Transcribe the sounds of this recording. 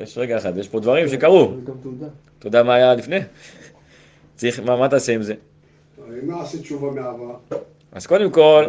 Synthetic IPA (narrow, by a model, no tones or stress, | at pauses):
jʔeʃʁeɡaeχat̪vejeʃpo̞d̪vaʁimʃekaʁu | t̪od̪amaːjalifne | t͡saʁiχmamat̪aaseimze̞ | imlaasit͡ʃuvameava | az̥ko̞d̪e̞mko̞l